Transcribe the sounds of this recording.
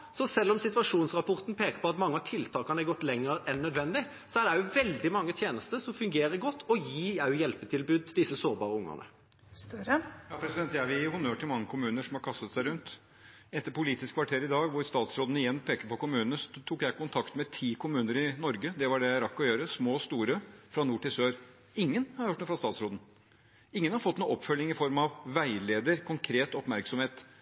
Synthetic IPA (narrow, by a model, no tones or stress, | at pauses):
sɔsɛlːɔmsɪt̪ʋɑʂuːnsʁɑpʰɔʁt̪n̩pʰeːkəpɔɑt̪mɑŋːəɑt̪ʰɪlt̪ʰɑːkɑnɛɡɔt̪ːlɛŋːəɾɛnːœd̪ʋɛnd̪ɪ | sɔæɖɛjʊʋɛld̪ɪmɑŋːət̪ʰjeːnəst̪əsɔmfʉŋɡeːɾəɾɡɔt̪ːɔjiːæʉjɛlpət̪ʰɪlbʉːd̪d̪ɪsəsoːɾbɑ̰ːʁəʊŋːə̰nə̰ | jɑpʰɾɛsɪd̪ɛnt̪jæʋɪhʊnøːʈʰɪlmɑŋːəkʰʊmʉːnəʂɔmhɑɾkʰɑst̪ət̪sæɪɾʉnt̪ | ɛt̪ːəɾpʊliːt̪ɪskʰʋɑʈʰeːɾɪd̪ɑːɡʋʊɾst̪ɑːt̪sɾoːd̪nɪjɛnːpʰeːkəɾpɔkʊmʉːnənət̪ʰuːkjæɪkʰʊnt̪ʰɑkt̪mɛt̪ʰiːkʰʊmʉːnəɾɪnɔɾɡəd̪ɛʋɑɖɛjæɪɾɑkːɔjøːɾəsmoːst̪uːɾəfɾɑnuːʈɪlsøːɾ | ɪŋːənhɑɾhøːʈ̪nuːfɾɑst̪ɑːt̪sɾoːd̪n̩ | ɪŋːənhɑɾfɔt̪ːnuːɔpːfœlːɪŋɪfɔɾmɑʋʋæɪleːd̪əɾkʰʊŋkʰɾeːt̪ɔpmæɾksɔmheːt̪